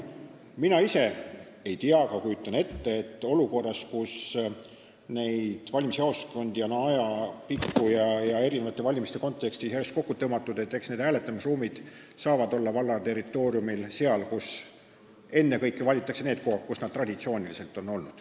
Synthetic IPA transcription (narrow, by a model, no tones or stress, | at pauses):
minɑise̞ | e̞jt̪iɑkɑkujut̪ːˑɑne̞t̪ːe̞ːt̪ːˑo̞luko̞rːɑskus | ne̞jd̪̥vɑlʲmishɑosko̞nd̪̥jɑnɑjɑpikːujɑjɑe̞ɾinevɑt̪ˑːe̞vɑlʲimist̪e̞ko̞nt̪ˑːe̞kst̪iseɾest̪̚ko̞kːut̪ɤmɑt̪ːˑud̪e̞t̪ːˑe̞ksned̪æːle̞t̪ːˑɑmisruːmid̪̥ | sɑːvɑd̪o̞lːɑvɑlːɑt̪e̞rit̪ːˑo̞ːɾiumilse̞ɑlkus | e̞nːe̞kɤjkˑːevɑlʲit̪ːˑɑkse̞ne̞ːd̪̚kohɑkkusnɑd̪̚t̪rɑd̪it̪sio̞ːnilise̞lt̪ːˑo̞nːo̞lnud̪̥